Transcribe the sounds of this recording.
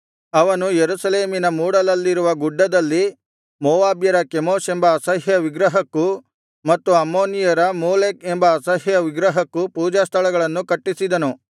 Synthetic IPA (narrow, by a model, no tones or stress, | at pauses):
ɐʋɐnujeɾusɐleːminɐmuːɽɐlɐlːiɾuʋɐɡuɖːɐd̪ɐlːi | moːʋaːbjɐɾɐkemoːsembɐːsɐɦjɐʋiɡɾɐɦɐkːu | mɐt̪ːuɐmːoːnijɐɾɐmoːleːkembɐːsɐɦjɐʋiɡɾɐɦɐkːupuːd͡ʒaːst̪ʰɐɭɐɡɐɭɐnːukɐʈːisid̪ɐnu